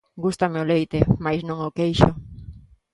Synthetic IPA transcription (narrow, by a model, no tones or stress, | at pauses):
ɡust̪ameolejt̪emajsnõŋokejʃʊ